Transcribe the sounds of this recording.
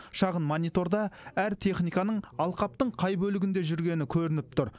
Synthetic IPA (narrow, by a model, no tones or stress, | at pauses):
ʃɑʁənmonijt̪o̞ɾd̪ɑæɾt̪ʰe̞χnijkɑnəɴɑlˠqɑp̚t̪əɴqʰɑjbɵlɪɡʲɪnd̪e̞ʒʏɾɡʲe̞nɪkʲʰɵɾɪnɪp̚t̪ʊɾ